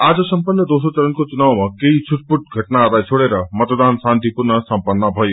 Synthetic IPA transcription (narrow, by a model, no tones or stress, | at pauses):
ad͡ʒəsəmpənːəd̪osot͡ʃəɾənkot͡ʃunaʋmakeit͡ʃʰuʈ̚puʈ̚ɡʱəʈnaːd̪ajt͡ʃʰoɽeɾʌmʌt̪d̪ansãnt̪ipuɾnəsəmpənːabʱɔj